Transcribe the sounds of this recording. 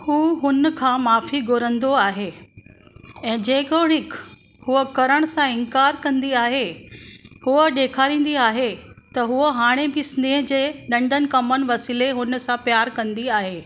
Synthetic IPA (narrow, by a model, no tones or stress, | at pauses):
huːɦʊnkʰãːmaːfiɡʱoːɾə̃nd̪oaːɦeː | ɛ̃ːd͡ʑeːkoɽ̃ɪk | huəkɐɾəɽ̃sãɪ̃nkaːɾkɐ̃nd̪iaːɦe | huəɗeːkʰaːɾĩːnd̪iaːɦet̪ɐɦuəɦaːɽ̃ebɪɪsɪnd̪ẽɦd͡ʑeːɗɐ̃ɳɖʱənɪ̆kɐmənɪ̆ʋɐsiːleɦʊn̆sãpjaːɾkɐ̃nd̪iaːɦeː